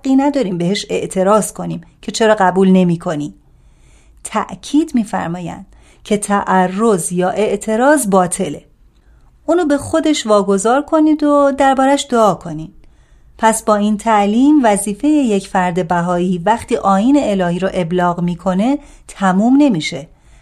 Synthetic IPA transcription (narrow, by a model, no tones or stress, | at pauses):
qiːnæd̪ɒːɾiːmbeɦe̞ʃe̞ʔt̪ʰe̞ɾɒːz̥kʰo̞niːmcʰe̞t͡ʃʰe̞ɾɒːɣæbuːlne̞miːkʰo̞niː | t̪ʰæʔcʰiːd̪miːfæ̰ɾmɒːjæ̰nd̪̥ | cʰe̞t̪ʰæʔærːo̞zjɒːʔe̞ʔt̪ʰe̞ɾɒːzbɒːt̪ʰe̞le | ʔuːnoːbe̞xo̞d̪e̞ʃvɒːɡo̞zɒːɾkʰo̞niːd̪od̪æɾbɒːɾæʃd̪oɒːkʰo̞nid̪̥ | pʰæsbɒːiːnt̪ʰæʔliːmvæziːfe̞je̞jecʰfæɾd̪e̞bæɦɒːiːvæxt̪ʰiːʔɒːjiːne̞elɒːhiːɾɔʔe̞blɒːɣmiːkʰo̞ne̞ | t̪ʰæmuːmne̞miːʃe̞